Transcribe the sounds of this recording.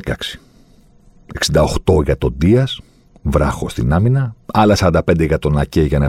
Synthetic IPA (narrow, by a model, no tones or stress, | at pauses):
kɐksi̥ | e̞ksind̪ɐoxt̪o̞ʝɐt̪o̞d̪iɐs | vɾɐxo̞st̪inɐminɐɐlɐsɐɾɐnd̪ɐpend̪eʝɐt̪o̞nɐceʝɐnɐ